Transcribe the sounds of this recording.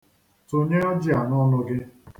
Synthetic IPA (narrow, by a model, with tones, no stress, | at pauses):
to˦ɲe˦ɔ˦d͡ʒi˦a˨nɔ˦nʊ˦ɡɪ˦